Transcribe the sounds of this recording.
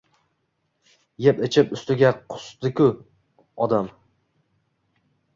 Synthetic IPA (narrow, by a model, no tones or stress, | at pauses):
jepɪt͡ʃʰɪpʊst̪ɪɡʲaqʰʊ̥sd̪ɪkʲʰʊ | ɒd̪am